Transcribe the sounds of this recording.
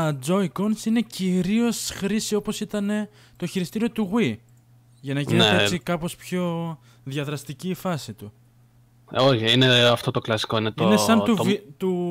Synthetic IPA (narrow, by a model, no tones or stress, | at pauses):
d͡zo̞jkonsine̞ciɾio̞sxɾisio̞po̞sit̪ɐne̞ | t̪o̞çiɾist̪iɾio̞t̪uɣwi | ʝɐnɐʝineeet͡ssikɐpo̞spço̞ | ðjɐðɾɐst̪iciːfɐsit̪u | oçiineɐft̪o̞t̪o̞klɐsi̥ko̞inet̪ionesɐntt̪uvt̪u